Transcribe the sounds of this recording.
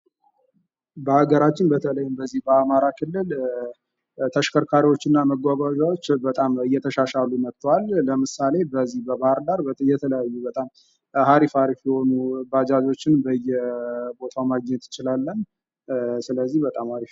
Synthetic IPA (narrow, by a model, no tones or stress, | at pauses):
bəhaɡəɾat͡ʃːɪnbət̪ʰələjːmbəzːihbəamaɾakʰɨlːɨl | t̪ʰəʃkʰəɾkʰaɾiwo̞t͡ʃːɪnːaməɡʷaɡʷaʒawot͡ʃːbət̪ʼamɨjːɛt̪ʰəʃaʃalːunət̪ʰːwalːəmɨsale̞bəzːihbəbahɨɾd̪aɾjɛt̪ʰələjajːubət̪ʼam | haɾifaɾifjɛho̞nubad͡ʒazo̞t͡ʃːɪnbəjːɛbo̞t̪ʰawmaɡɲɛt̪ɪt͡ʃɪlalːən | sɨləzːihbət̪ʼamhaɾif